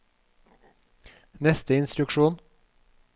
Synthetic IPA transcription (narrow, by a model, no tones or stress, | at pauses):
nɛst̪əɪnst̪ɾʉkʃuːn